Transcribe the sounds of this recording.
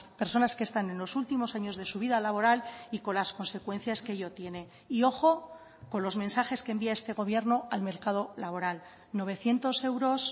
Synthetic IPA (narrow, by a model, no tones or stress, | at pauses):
pe̞ɾso̞naske̞st̪ane̞nlo̞sult̪imo̞saɲo̞zðe̞suβ̞iðalaβo̞ɾaliko̞nlasko̞nse̞kwe̞n̟θjaskeʎo̞t̪je̞ne̞ | io̞xo̞ | ko̞nlo̞zme̞nsaxe̞skembiae̞st̪e̞ɣ̞o̞βje̞ɾno̞alme̞ɾkað̞o̞laβ̞o̞ɾal | no̞β̞e̞θje̞nt̪o̞se̞wɾo̞s